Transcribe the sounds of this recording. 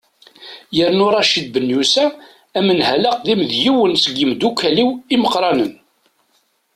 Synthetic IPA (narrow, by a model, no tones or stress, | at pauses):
jəɾnʊɾˤɑʃid̪̚bənjusæ | æmənhæləqðimðjiwənsəɡəmd̪ukːæliwiməqɾˤɑnən